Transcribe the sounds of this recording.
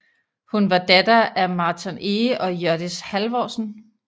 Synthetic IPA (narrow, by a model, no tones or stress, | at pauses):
hunʋɑ̈d̥æd̥ɐʔæmɑ̈ːt͡sʰɔneʔɒ̽jœɐ̰d̥ishælʋɒ̰ːsn̩